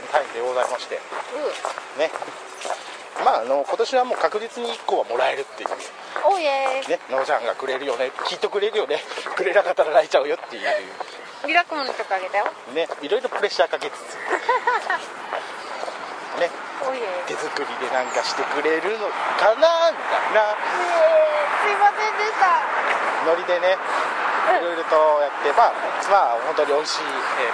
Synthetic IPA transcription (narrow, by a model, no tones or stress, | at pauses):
t̪aimd̪eɡo̞zaimaɕi̥t̪ḛɯne̞ | maːno̞ko̞t̪o̞ɕiβamo̞ːkakɯ̟d͡ʑit͡sɨɲ̟iikːo̞ːβamo̞ɾae̞ɾɯ̟t̪ːe̞̰jɯ̰ | one̞noːd͡ʑãŋɡa̰kɯ̟ɾe̞ɾɯ̟jo̞nekʲiːt̪ːe̞kɯ̟ɾe̞ɾɯjo̞nekɯ̟ɾe̞nakat̪ːaɾaɾait͡ɕa̟jo̞t̪ːe̞jɯ̟ɯ̰ː | iɾakːɯmont̪okaːɡe̞t̪ajo | ne̞iɾo̞iɾo̞pɯ̟ɾe̞ɕːaːkaket̪e̥t̪ː | ne̞ | t̪e̞zɨkɯ̟ɾʲid̪e̞nãŋkaɕi̥t̪e̞kɯ̟ɾe̞ɾɯ̟no̞kanaŋka̰na | sɨimasẽnd̪est̪ano̞ɾʲid̪e̞ne̞ | iɾo̞jɾot̪o̞jat̪ːe̞maː | maho̞nt̪o̞ɲ̟iõ̞ĩɕiː | e